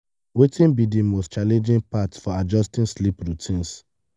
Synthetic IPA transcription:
wetĩnbidĩmɔst͡ʃalɛ̃nd͡ʒĩnpatsfɔad͡ʒɔstĩnslipɹutʰĩns

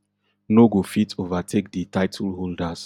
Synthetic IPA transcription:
noɡofitʰovatʰek̚ditaɪtʰəlɦoldas

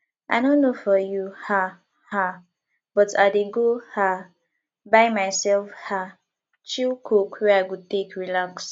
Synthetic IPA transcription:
ʔa̰ɪnõnːofɔjuha | ha | b̥ɔtʰaɪdeɡoha | baɪmaɪsɛlfha | t͡ʃilkʰokwɛaɪkud̚tekʰɹilaks

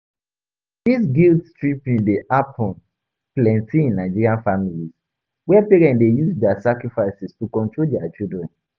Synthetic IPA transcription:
disɡiltstɹipĩndeʔapʰɔ̃n | plɛ̃ntĩĩnːaɪd͡ʒiɹiãnfamiliz | wɛpeɹɛ̃ndejuzdɛasakɹifaɪsistukɔ̃ntʰɹoldɛat͡ʃildɹɛ̃n

